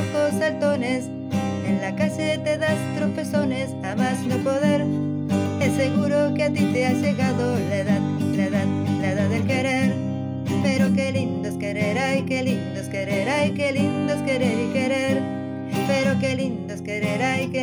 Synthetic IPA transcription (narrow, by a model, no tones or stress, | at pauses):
kosalt̪o̞ne̞s | enlakaset̪e̞ðast̪ɾofe̞so̞ne̞samazno̞po̞ðe̞ɾ | eseɣuɾo̞keat̪it̪eaʝe̞ɣaðoleðalaeðaðlaeðaðelke̞ɾe̞ɾ | espe̞ɾokelind̪oskeɾeɾajkelind̪oskeɾeɾajkelind̪oskeɾe̞ɾike̞ɾe̞ɾ | espeɾoke̞lind̪oskeɾeɾajke